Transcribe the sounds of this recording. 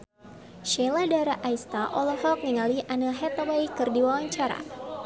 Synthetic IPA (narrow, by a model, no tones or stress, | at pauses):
ʃɛladaɾaʔːjst̪aʔɔlɔfɔk̚niŋaliʔanəɦɛt̪awajkɨrdiwawaɲt͡ʃaɾa̰